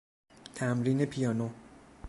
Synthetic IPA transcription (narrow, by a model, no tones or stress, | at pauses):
t̪ʰamɾinepʰijano